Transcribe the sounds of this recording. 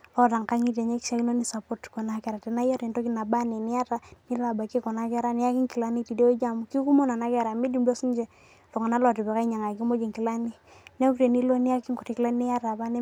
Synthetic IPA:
lɔ˦ta˨ŋka˦ŋi˦te˨ɲe˦kʃa˦ki˦no˦ni˦sa˨pɔ˦tkɔ˨na˨˦kɛ˨ɾa˨tɛ˨na˦jɔ˦ɾi˨nto˦ki˦na˨ba˦ne˨ni˦a˦ta˦ni˦la˨ba˨ke˦kɔ˨na˦kɛ˦ɾa˦nɪ˦a˦ki˦ŋki˨la˦ni˦ti˨de˦d͡ʒa˦˨mu˨ki˦ku˦mo˦na˨na˦kɛ˦˨ɾa˨mi˦di˨mbo˦si˦nd͡ʒɛ˦ | lo˨ŋa˨na˦lɔ˨ti˨bɛ˨ka˦i˦ɲa˨ŋa˨ki˦mo˦d͡ʒi˨ŋki˨la˦ni˦ | nɛ˦kte˨ni˦lo˦ni˦ja˦ki˦ŋkɔ˨ti˨ki˦la˦nni˦ja˦ta˨ba˦ne˦

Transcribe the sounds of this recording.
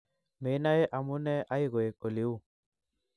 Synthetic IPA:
me˨˦na˦e˦ʔa˨mu˦nɛ˦ʔa˦jɣɔ˨e˨kʼo˨li˦u˦˨

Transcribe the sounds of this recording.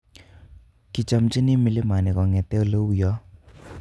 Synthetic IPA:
ki˨t͡ʃa˨mt͡ʃi˦nɪ˦mɪ˨le˦ma˨nɪ˨kɔ˨ŋɛ˨t̪ɛ˦o˦˨lo˦wu˨jɔ˨˦

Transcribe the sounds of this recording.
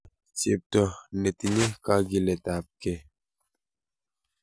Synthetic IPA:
t͡ʃe˨p̚tɔ˨ne˨ti˨ne˦ka˦ɡi˨le˨ta˨p̚ke˦

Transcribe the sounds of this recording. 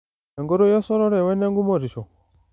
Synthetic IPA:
e˨ŋɡo˦ɾɔ˦jɔ˦sɔ˦ɾɔ˦ɾɛ˨wɛ˦nɛ˦ŋɡu˦mɔ˦˨ɾi˨ʃɔ˨

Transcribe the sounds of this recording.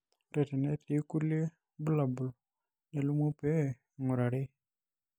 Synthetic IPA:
ɾe˨te˨nɛ˦ti˨˦ku˦lje˦ | bu˦la˨bʊ˨l | ne˨lu˦mo˦pɛ˦˨ | ŋʊ˨ɾa˨ɾɪ˦

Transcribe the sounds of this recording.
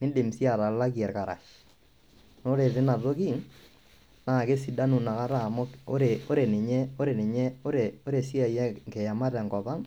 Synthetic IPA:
nɪ˦de˨msi˦a˨ɾa˨la˦kjɛ˨ɾka˨ɾa̰˨ʃ | no˦ɾe˨tɪ˦na˨to˦ki˦ŋ | na˨ke˦si˨da˦nu˨na˨ka˦ɾa˦˨mo˦o̰˦ɾe˨o˦ɾe˨nɪ˨ɲɛ˦o˦ɾe˨nɪ˨ɲɛ˦o˦ɾe˨o˦ɾe˨si˦a˨jɛ˦kɛ˨ja˨ma˦tɛ˨ŋkɔ˨pa˦ŋ

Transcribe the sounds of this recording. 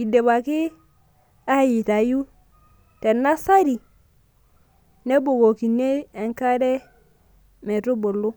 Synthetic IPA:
i˨de˨βa˨ki˦ | a˦ji˨ta˨ju˦ | te˨nːa˦sa˦ɾi˨ | ne˦bo˨ɡo˨ki˨ne˦e˨ŋka˦ɾe˦ | me˨ɾu˦bo˨lu˦

